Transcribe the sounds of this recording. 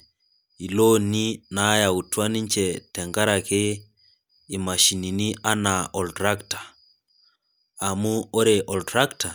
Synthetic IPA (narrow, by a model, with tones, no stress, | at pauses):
i˨lo˦ni˦na˨˦ja˨u˨twa˦ni˦ɲt͡ʃɛ˨tɛ˨ŋɡa˦ɾa˨ke˦ | i˨ma˨ʃi˨ni˨ni˦a˦na˨ɔ˨ltɾa˦ktḁ˨ | a˨mu˦o˦ɾɛ˨ʔɔ˨ltɾa˦kta˨